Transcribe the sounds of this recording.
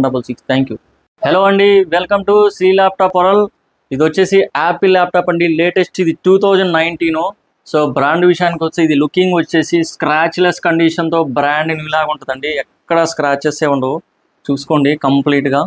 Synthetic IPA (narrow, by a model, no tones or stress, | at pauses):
ɖɐpːɐlsikst̪ʰɛːŋkju | heloːɐɳɖiʋelkɐmʈusɾiːlaːp̚ʈaːpɔɾɐl | id̪iʋɐt͡ʃːe̞ːsiʔaːpilaːp̚ʈaːpɐɳɖile̞ːʈesʈid̪iʈuːt̪ʰɐwd͡ʒɐɳɖnɐjɳʈiːnoː | soːbɾaːɳɖʋiʂɐjaːnik̬ɔsɐid̪ilukːiŋɡʋɐt͡ʃːe̞ːsiskɾaːt͡ʃleskɐɳɖiʂɐnt̪o̞ːbɾaːɳɖnilaːɡuɳʈud̪ɐɳɖiɛkːɐɽɐskɾaːt͡ʃːeseːuɳɖoː | t͡ʃuːsu̥koːɳɖikɐmpliːʈɡaː